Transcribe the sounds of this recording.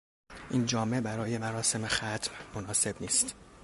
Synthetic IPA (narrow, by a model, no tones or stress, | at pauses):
ʔiːnd͡ʒɒːme̞bæɾɒːje̞mæɾɒːse̞me̞xæt̪ʰmmonɒːse̞bniːst̪